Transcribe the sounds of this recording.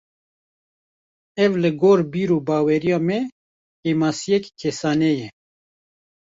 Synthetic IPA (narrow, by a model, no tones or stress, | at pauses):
ɛvlɨɡoːɾbiːɾoːbɑːwɛɾijɑːmɛ | kɛmɑːsijɛkkʰɛsɑːnɛjɛ